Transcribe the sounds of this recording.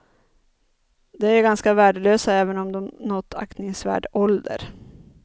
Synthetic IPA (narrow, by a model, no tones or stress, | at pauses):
d̪ɛæɾɡanskavæːɖəløːsaɛːvənɔmd̪ɔmnɔt̪ʰːa̰kt̪nɪŋsvæ̰ːɖɔld̪ə̰ɾ